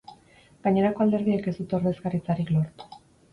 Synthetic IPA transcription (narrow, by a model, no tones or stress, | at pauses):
ɡaɲe̞ɾako̞ald̪e̞ɾð̞ieke̞zd̪ut̪o̞ɾβe̞skarit͡saɾiklo̞ɾt̪u̥